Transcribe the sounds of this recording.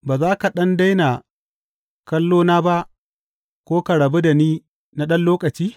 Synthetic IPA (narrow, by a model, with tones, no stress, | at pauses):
baː˨zaː˦ka˨ɗɐ˦nda˦jna˨ | kɐ˦lːoː˦naː˦ba˦ʔ | kʷoː˦ka˨ɽɐ˨be˦da˨niː˦ | na˦ɗɐ˦nloː˦kʼɐ˨t͡ʃiː˦